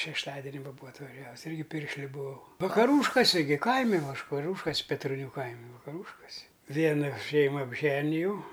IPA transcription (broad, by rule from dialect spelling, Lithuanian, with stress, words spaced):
ʃʲɛʃˈtɑːdʲɛnʲɪ ˈʋɐ ˈbuːɐ ɐtʋɐˈʒʲæːʋʊs ˈɪrʲɡʲɪ ˈpʲɪrʲʃʲlʲʊ bʊˈɐʊ ʋɐkɐˈruːʃkoːsʲɪ ɡʲɪ ˈkɐɪmʲɪ ˈʋɑːʃkɐˈrʲuːʃkɐs pʲɛtroːˈnʲuː ˈkɐɪmʲɪ ʋɐkɐˈruːʃkoːsʲɪ ˈʋʲiɛnɐ ˈʃʲɛɪmɐ ɐbʲˈʒʲæːnʲɪjɛʊ